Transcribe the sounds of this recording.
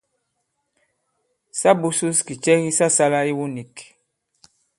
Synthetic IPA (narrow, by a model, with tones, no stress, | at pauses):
sa˦bu˦su˦ski˨t͡ʃɛ˦ɣi˦sa˦sa˦la˦i˦wu˦ni˨k